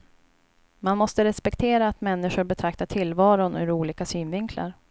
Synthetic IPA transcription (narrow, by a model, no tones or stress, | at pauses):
manmɔst̪əɾɛspɛkt̪ʰeːɾaːt̪mɛnːɪɧʊɾbɛt̪ʰɾak̚t̪aʈʰɪlːvɑːɾʊnɵ̰ɾuːliːkasyːnvɪŋkʰla̰ɾ